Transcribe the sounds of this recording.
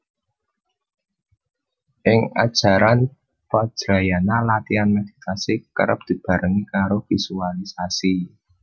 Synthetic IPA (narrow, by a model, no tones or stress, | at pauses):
ʔɪŋa̰d̥ʒ̥a̤ɾan | fad̥ʒ̥ɾa̤janalat̪ianmed̪̥i̥t̪asikə̰ɾə̰p̚d̪̥i̤b̥a̤ɾəŋikaɾovisualisasi